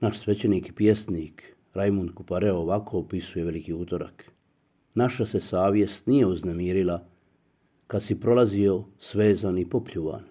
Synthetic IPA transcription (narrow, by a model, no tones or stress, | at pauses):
naʃsʋe̞t͡ɕeniːki̥pje̞sniːk | ɾajmund̪kupaɾeooʋakoopisuje̞ʋe̞likiuːt̪o̞ɾa̰k | naʃase̞saːʋje̞st̪nije̞uznemiːɾila | kad̪sipɾo̞lazio̞sʋe̞ːzanipopʎuːʋa̰ːn